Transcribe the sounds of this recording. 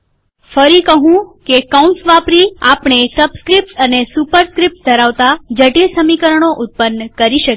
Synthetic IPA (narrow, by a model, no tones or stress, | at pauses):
fəɾikəɦũkekauɳsʋapɾiapɳ̃esəbskɾip̚ʈənesupəɾskɾip̚ʈ̚d̪ʱəɾaʋt̪ad͡ʒəʈilsəmikəɾəɳ̃oʔʊt̪̚pənːkəɾiʃək